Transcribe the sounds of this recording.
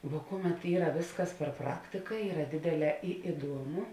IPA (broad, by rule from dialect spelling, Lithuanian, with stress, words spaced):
ʋuɔ ˈkʊˌmʲɛt ˈiːrɐ ˈʋʲeːsˌkɐs pʲɛr ˈprɑːktʲɪkɐ ˈiːrɐ ˈdʲeːdʲeːˌlʲɛː ɪ ɪˈduɔmʊ